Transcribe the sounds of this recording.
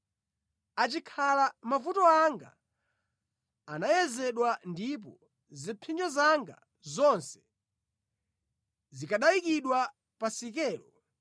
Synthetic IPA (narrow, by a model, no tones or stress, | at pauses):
at͡ʃikʰalamavutɔaŋɡa̰ | najɛzɛɗwandip̬ɔ | zipʰind͡ʒɔzaŋɡa̰ | zɔnsɛ̥ | zikaɗaikiɗwa | pasik̬ɛːlɔ